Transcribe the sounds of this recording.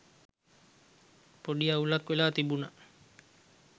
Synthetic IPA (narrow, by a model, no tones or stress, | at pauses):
poɖiaulakʋelaːt̪ibuna